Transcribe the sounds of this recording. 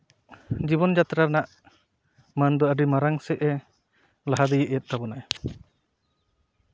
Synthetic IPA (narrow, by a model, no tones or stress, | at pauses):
d͡ʒiβɔnd͡ʒat̪ɾanaʔ | mand̪ɔaɖimaɾaŋsɛʔɛ | laɦad̪ijɛʔɛjɛt̪̚ˀt̪abɔnaj